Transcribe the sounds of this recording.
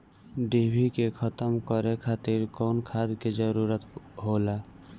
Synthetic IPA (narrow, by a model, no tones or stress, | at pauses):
ɖebʱikekʰət̪əmkəɾekʰaːt̪iɾkɔːnkʰad̪ked͡ʒəɾuɾət̪ɦola